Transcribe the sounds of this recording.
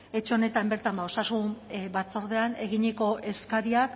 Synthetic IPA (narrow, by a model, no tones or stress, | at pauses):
e̞t͡ʃeo̞ne̞t̪ambe̞ɾt̪ambao̞sasumbat͡so̞ɾðe̞ane̞ɣ̞iɲeko̞ʔe̞skaɾiak